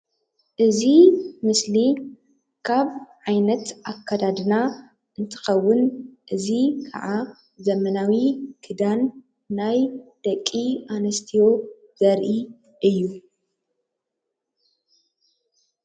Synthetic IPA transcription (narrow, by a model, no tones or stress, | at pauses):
ʔɨzimɨsli | kʰaβʕajnɐt̪ʔakʰːad̪ad̪ɨna | ʔɨnt̪ʰɨ̥xɐwːʊnʔɨzikʰa̰ʕa | zɐmɐnawikʰɨd̪anː | ajd̪̥ɐkʼːianɐst̪ʰijo̞ | zɐɾʔi | ʔɨjːu